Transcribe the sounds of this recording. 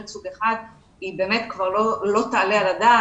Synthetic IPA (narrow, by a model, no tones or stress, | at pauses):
t͡suɡeχad̪ | ibe̞ːmet̪kvaʁlolo̞t̪aːlealad̪a